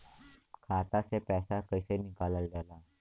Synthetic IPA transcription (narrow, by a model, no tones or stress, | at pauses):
kʰat̪asepɛsakəjsenikaləldala